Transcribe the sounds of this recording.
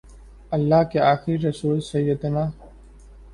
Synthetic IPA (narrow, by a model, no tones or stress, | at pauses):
əlːaːkeaːxɪɾiɾɐsuːlsɐjːəd̪naː